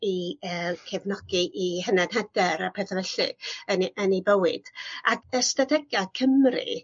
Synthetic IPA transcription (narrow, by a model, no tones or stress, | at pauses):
iəːkʰɛvnɔɡiʔiɦənanɦɛdɛɾapʰɛθvɛɬɨ̰̥ənʔənibəwɨd̥aəstadɛɡjakʰəmrɨ̰